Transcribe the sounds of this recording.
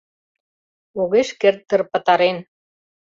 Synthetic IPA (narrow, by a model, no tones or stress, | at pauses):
oɣeʃkert̪ːə̆rpə̆t̪ɑɾen